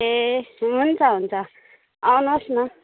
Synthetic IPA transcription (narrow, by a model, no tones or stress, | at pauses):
eunt͡sʰʌɦunt͡sʰʌ | awnosnʌ